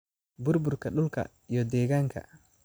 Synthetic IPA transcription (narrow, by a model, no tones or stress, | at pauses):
buɾbuɾkaɗulka̰ | jɔdɛɡaŋkʰa̰